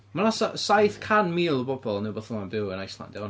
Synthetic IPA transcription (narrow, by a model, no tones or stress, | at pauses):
manasasajθkʰanmiːlˠəbɔbɔlˠnɪwbɔθɔmanbɪwənajslˠa̰ndɪ